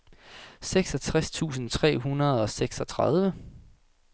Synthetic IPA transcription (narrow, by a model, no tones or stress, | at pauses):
seɡ̥sɒ̽t͡sʰʁast͡sʰṵːsn̩t͡sʰʁɛ̰ːɦunɐð̞ˠɒ̽seɡ̥sɒ̽t͡sʰʁað̞ˠʋə